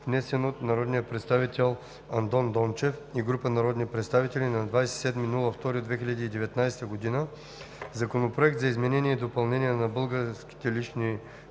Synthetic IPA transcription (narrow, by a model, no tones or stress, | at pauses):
vnɛsɛnot̪nɐɾɔd̪nijəpɾɛt̪st̪avit̪ɛlˠ | ɐnt̪ɔnd̪ɔnt͡ʃɛfiɡɾupənɐɾɔd̪nipɾɛt̪st̪avit̪ɛlʲinɐd̪vajsɛt̪sɛd̪minulˠəft̪ɔɾid̪vɛxilʲɐd̪iːd̪ɛvɛt̪najsɛ̥t̪əɡod̪inə | zɐkonopɾoɛk̚t̪zɐizmɛnɛnʲiɛid̪opɐlˠnɛnʲijɛnɐbɤlˠɡəɾsk̟ʲi̥t̪ɛliʃni